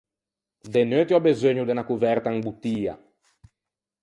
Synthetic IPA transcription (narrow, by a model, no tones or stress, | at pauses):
d̪enøt̪iɔbezøɲud̪enakuvɛɾt̪aŋbut̪ːiːa̰